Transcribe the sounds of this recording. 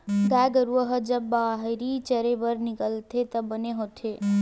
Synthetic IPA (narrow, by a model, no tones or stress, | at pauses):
ɡaɡəɾuəɦəd͡ʒəbːaɦɾit͡ʃəɾebəɾnikəlt̪ʰet̪əbəneɦot̪ʰe